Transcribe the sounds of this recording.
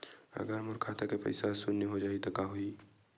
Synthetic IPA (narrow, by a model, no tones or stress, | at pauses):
ɐ̰ɡəɾmʊɾkʰaːt̪akepɐ̰ɪsasʊnːeɦod͡ʒaːit̪okaɦuiː